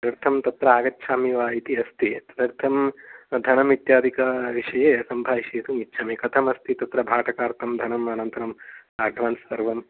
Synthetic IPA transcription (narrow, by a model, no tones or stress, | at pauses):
ɾɐɾt̪ʰɐmt̪ɐt̪ɾɐaːɡɐtːʃʰaːmiʋaːit̪iɐst̪it̪d̪ɐɾt̪ʰɐmd̪ʱɐnɐmit̪jaːd̪ʱikɐʋiʂɐjeːɐsɐmbʱaːʋiʃeːt̪umitːʃʰaːmikɐt̪ʰɐmɐst̪ʰit̪ɐt̪ɾɐbʱaːʈɐkaːɾt̪ʰɐmd̪ʱɐnɐmɐnɐnt̪ɐɾɐm | aːɖʱʋaːnsɐɾʋɐm